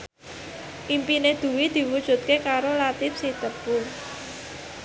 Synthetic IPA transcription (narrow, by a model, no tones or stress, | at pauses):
ʔimpined̪̥ṳwid̪̥i̤wud̥ʒ̥ṳt̪̚kekaɾolat̪ɪfsit̪əpʊl